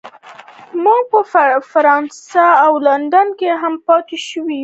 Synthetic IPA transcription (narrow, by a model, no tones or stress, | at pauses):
mɑpəffaɾɑnsaawland̪ankeɦampɑt̪eʃəwiju